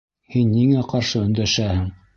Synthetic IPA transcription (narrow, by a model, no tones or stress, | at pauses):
hinːiŋæqɑɾʃɤɵ̆nd̪æʃæhɘŋ